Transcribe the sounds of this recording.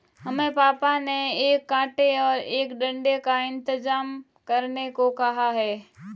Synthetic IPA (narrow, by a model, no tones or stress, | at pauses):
ɦɐmẽpaːpaneeːkːãːʈeɔːɾeːkɖɐ̃ɳɖekaɪ̃nt̪ɪzaːm | kɐɾnekokɐɦaɦɛː